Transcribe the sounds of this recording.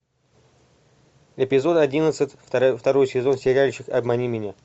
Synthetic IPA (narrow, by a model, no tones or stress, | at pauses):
ɪpʲɪzo̞d̪ɐdʲinət̪sɨtʲft̪ɐɾo̞jsʲɪzo̞nsʲɪɾʲalʲɪɕɪkɐbmɐnʲimʲɪnʲa